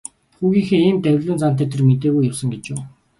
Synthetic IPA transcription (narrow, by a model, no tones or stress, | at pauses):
xuːɣiːŋxeːiːmt̪æwʲɮʊːnt͡san̥t̪̬æːt̪ĕrmet̪eːɣujʊwsə̆ŋɡet͡ɕʊː